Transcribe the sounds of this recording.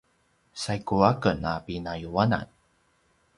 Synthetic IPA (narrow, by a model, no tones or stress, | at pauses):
sajkuakənapinajuana̰n